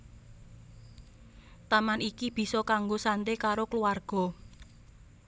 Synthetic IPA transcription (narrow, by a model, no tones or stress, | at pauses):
t̪amanikib̥i̤sɔkaŋɡosant̪ekaɾokluarɡ̥ɔ̤